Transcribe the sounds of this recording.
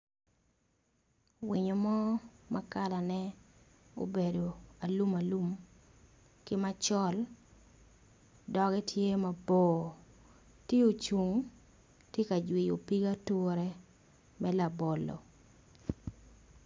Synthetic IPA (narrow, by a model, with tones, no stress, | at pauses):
wi˨ɲo˨mɔ˦ma˦ka˦la˨nɛ˦ | o̰˦be˨do˨a˨lu˦ma˨lu˦m | kɪ˦ma˦t͡ʃɔ˦l | dɔ˨ɡɛ˦tʰje˦ma˨boː˨ | tje˦o˨t͡ʃu˨ŋ | tje˦ka˨d͡ʒwi˨jo˨pi˦ɡa˦tu˦ɾɛ˦ | mɛ˦la˨bɔ˨lːɔ̰˨